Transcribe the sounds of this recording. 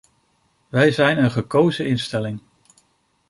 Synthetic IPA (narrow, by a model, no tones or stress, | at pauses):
ʋɛjzɛjnənχəkowzəɪnstɛlɪŋ